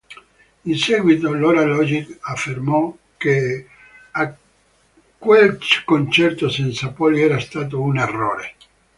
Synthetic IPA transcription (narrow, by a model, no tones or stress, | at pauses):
insɛɡwit̪oloɾalɔd͡ʒikafːermɔ | ke | a | kːwelkont͡ʃɛrt̪osensapɔliɛːɾast̪aːt̪̬ounerːo̰ːɾe